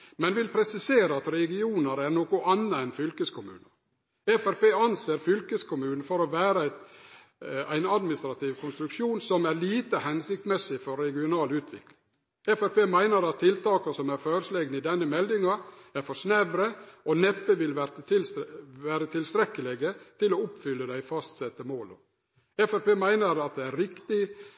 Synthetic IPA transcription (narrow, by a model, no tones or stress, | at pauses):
mɛnʋɪlpʰɾɛsɪseːɾəɑt̪ɾɛɡɪuːnəɾæɾnoːkʊʔɑnːəɛnfʏlkəskʰʊmʉ̰ːnəɾ | ɛfæɾpeːɑnseːɾfʏlkəskʰʊmʉːnn̩fɔɾɔʋæːɾəæɪt̪ | æɪnɑd̪mɪnɪst̪ɾɑt̪ʰiːʋkʰʊnst̪ɾʉkʂuːnsɔmæɾliːt̪əhɛnsɪk̚t̪mɛsɪfɔɾːɛɡɪʊnɑːlʉːt̪ʰʋɪ̰klɪŋ | ɛfɛɾpeːmæɪnəɾɑt̪ʰːɪlt̪ɑːkəsɔmæɾføːɾʂleɡnəɪd̪ɛnːəmɛld̪ɪŋɑæɾfɔʂnæʋɾəʔɔnɛpːəʋɪlʋæɾəɪʋæːɾət̪ʰɪlst̪ɾɛkːəlɛɡət̪ʰɪloʊpfʏlːəd̪æɪfɑst̪sɛt̪ːəmoːlɔ̰ | ɛfɛɾpeːmæɪnəɾɑt̪̚d̪ɛæɾɾɪkt̪ɪ